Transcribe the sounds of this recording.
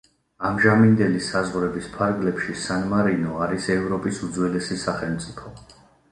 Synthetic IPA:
amʒamind̪ɛlisazʁɾɛbispʰaɾɡlɛpʃisanmaɾinɔaɾisɛvɾɔpʼisud̪zwɛlɛsisaχɛlˠmt̪sʼipʰɔ

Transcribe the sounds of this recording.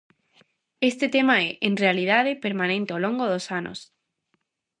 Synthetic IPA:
est̪et̪emaɛʔenrealið̞aðepeɾmãnẽnt̪eolõŋɡoðosanʔo̰s

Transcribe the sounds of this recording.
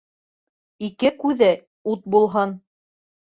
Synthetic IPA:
ikɘkʉðɘ | ut̪̚bulˠɦɑn

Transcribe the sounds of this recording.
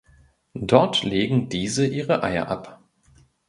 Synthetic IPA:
dɔɐtleːɡŋ̩diːzəʔiːʁəʔa̰ɪɐ̰ʔa̰p

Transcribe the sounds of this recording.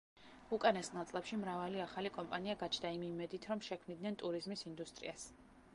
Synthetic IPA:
ukʼanɛsnat̪sʼlˠɛpʃimɾavaliaχalikʼɔmpʼaniaɡat͡ʃʰd̪aimimɛd̪it̪ʰɾɔmʃɛkʰmnid̪nɛnt̪ʼuɾizmisind̪ust̪ʼɾḭas

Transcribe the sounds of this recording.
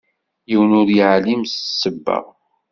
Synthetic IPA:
jiwənʊɾjəʕlimssːəbːə̰ʁ

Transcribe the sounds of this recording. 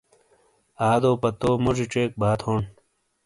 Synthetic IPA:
aːd̪oːpɐt̪oːmod͡ʑiʈ͡ʂeːk̚bʱaːt̪ʰhoɳ

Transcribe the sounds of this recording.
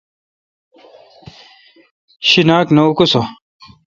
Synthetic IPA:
ɕinaːknɐukuso

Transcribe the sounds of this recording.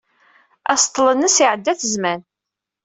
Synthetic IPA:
æst̪ˤːlənːəsiʕəd̪ːæθəzmæn

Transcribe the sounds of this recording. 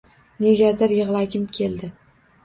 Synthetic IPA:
ne̞ɡʲad̪ɪɾjɨʁlˠaɡʲɪmkʲʰe̞ld̪ɪ

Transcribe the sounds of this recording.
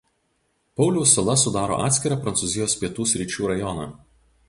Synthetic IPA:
pɒʊlʲuʊsɐlˠɐsʊd̪ɑːɾo̰ːʔɑːt̪sʲkʲɪɾɑpɾɐnt̪uzʲɪjoːspʲiɛt̪uːsʲɾʲiˑt͡ʃʲuːɾɐjɔnɑ̰ː

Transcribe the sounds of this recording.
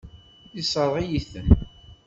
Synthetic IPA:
isˤəɾˤʁijiθəm

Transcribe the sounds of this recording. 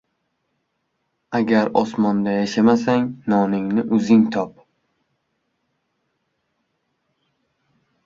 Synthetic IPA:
aɡʲaɾɒsmɒnd̪ajaʃamasaŋnɒnɪŋnɪʔʊzɪŋt̪ʰɒp

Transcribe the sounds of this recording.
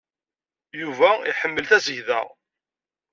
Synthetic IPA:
juvæḭħəmːəlθæzəʝðæ̰ʁ

